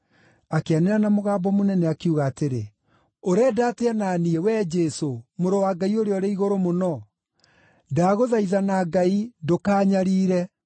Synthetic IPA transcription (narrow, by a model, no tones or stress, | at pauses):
akeaneɾanamoɣaːbɔmonɛnɛakeuɣaːteɾe | oɾɛːdaːteanaːniɛwɛd͡ʒɛsomoɾowaɡaioɾeɔɾeiɣoɾomonɔ | daːɣoðaiðanaɡaidokaːɲaɾiːɾɛ